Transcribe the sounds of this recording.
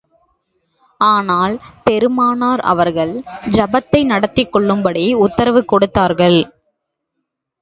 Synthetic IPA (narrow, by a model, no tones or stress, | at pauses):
aːnaːlpɛɾɯmaːnaːɾɐ̰ʋɐɾɣɐɭd͡ʒɐbɐt̪ːɐɪnɐɽɐt̪ːɪkːɔɭːɯmbɐɽiʊt̪ːɐɾɐʋɯkːɔɽɯt̪ːaːɾɣɐɭ